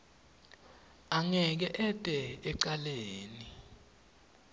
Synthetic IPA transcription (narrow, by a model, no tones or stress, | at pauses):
aŋɛk̬ɛʔɛtʼɛɛǀaleːni